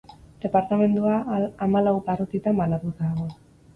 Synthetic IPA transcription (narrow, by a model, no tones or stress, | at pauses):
d̪̥e̞paɾt̪ame̞nd̪uaːmalawparot̪it̪ambanat̪ut̪aːɣ̞o̞